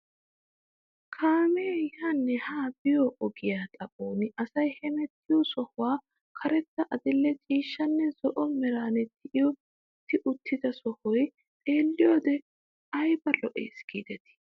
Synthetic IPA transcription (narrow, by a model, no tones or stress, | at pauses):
kʰaːmeːjaːnːɛhaːbɪjɔʔɔɡɪjaːt̪ʼɐpʼoːnɪʔɐsɐjhɛmɛt̪ːɪjɔsɔhʊwaː | kʰɐɾɛt̪ːɐʔɐd̪ɪlːɛt͡ʃʼiːʃːɐnːɛzɔʔɔmɛɾaːnɛt̪ːɪʔɪjɔ | t̪ːɪʔʊt̪ːɪzɐsɔhɔj | tʼe̞ːlːɪjoːd̪ɛ | ɐjbɐlɔʔḛːsɡ̥iːd̪ɛt̪ɪ̥